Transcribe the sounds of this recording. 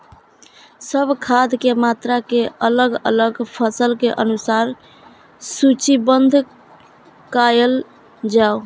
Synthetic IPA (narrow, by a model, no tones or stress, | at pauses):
səbʱkʰad̪ʱkemat̪ɾakeələɡə̰ləɡpʰəsəlkeʔənusaɾ | sut͡ʃibənd̪ʱ | kajəl | d͡ʒao